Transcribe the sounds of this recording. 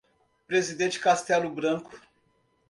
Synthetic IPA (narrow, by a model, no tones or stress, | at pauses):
pɾezid̪ẽt͡ʃɪ̥kast̪ɛlʊbɾɐ̃kʊ̥